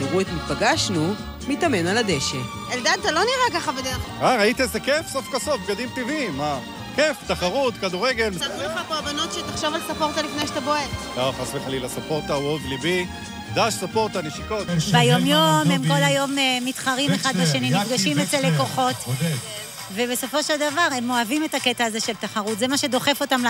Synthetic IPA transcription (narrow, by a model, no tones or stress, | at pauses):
iʁuet̪mit̪paɡaʃnu | mit̪amenalad̪eʃe | eld̪ant̪alo̞niʁakaχabed̪eʁaʁait̪iezekefsofkasofɡad̪imt̪ivimːa | keft̪aχaʁut̪kad̪uʁeɡelmitasmeχapoabano̞t̪ʃet̪aχʃovalsopo̞ʁt̪alifnejʃt̪aboetloχasmeχalilasopo̞ʁt̪awoɡlibi | d̪aʃsopo̞ʁt̪aneʃiko̞t̪bajo̞mjomemko̞lajo̞mmit̪χaʁimeχad̪vaʃenimifɡaʃimezeleko̞χo̞t | vebe̞so̞foʃeld̪avaʁemo̞avime̞taket̪aːze̞ʃelt̪aχaʁutzemaʃe̞d̪o̞χe̞fo̞taml